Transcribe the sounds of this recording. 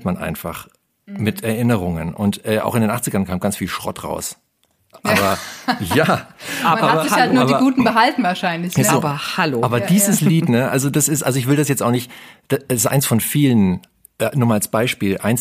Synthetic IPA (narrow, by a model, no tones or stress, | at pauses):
tmanʔa̰ɪnfa̰χ | mɪtʰɛɐʔɪnəʁ̞ʊŋə̰nʔʊntʔɛːʔa̰ʊxɪndeːnʔaχt͡sɪɡɐnkʰaːmɡant͡sfiːlʃʁ̥ɔ̰tʁa̰ʊs | ʔaːbɐjaːʔaaːbɐalnuːɐdiɐɡuːtn̩bəɦaltn̩vaːɐʃaɪnlɪçzoːbɐhaloaːbɐdiːzəsliːtnəʔa̰lzodasɪstʔalzoɪçv̥ɪldasjɛt͡staʊxnɪçtd̥assʔa̰ɪnsfɔnfiːlən | ʔɛnuːmaːlasb̥aɪʃpiːlʔa̰ɪns